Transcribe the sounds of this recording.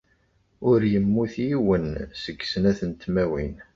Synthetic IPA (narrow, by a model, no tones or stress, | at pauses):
ʊɾjəmːuθjiwənsəɡːsənæθənt̪mæwin